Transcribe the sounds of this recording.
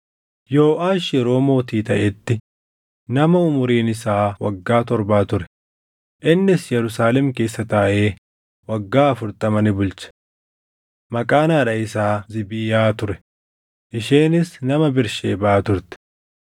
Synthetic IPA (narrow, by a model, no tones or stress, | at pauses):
jo̞ːʔaːʃjɛɾo̞ːmo̞ːt̪iːt̪ɐʔɛt̪ːɪ | nɐmɐʊmʊɾiːnɪsaːwɐɡːaːt̪ɔɾbaːt̪ʊɾɛ̥ | ʔɪnːɪsjɛɾʊsaːlɛmke̞ːsːɐt̪aːʔe̞ː | wɐɡːaːɐfʊɾt̪ʼɐmɐnɪbʊlt͡ʃɐ̥ | mɐkʼaːnaːᶑɐɪsaːzɪbiːjaːt̪ʊɾɛ̥ | ʔɪʃeːnɪsnɐmɐbɪɾʃeːbaːt̪ʊɾt̪ɪ̥